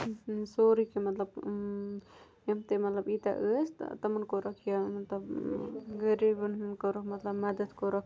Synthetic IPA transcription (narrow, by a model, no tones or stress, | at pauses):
soɾikemat̪lab̚ | amt̪emat̪labit̪a̰ʔəst̪a̰t̪amankoɾakjamat̪labɡeɾibannkoɾomat̪labmad̪at̪koɾak